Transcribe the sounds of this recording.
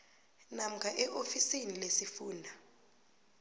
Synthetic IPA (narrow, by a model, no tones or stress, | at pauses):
nam̩kʰaʔɛʔofisinilesifuːndʱa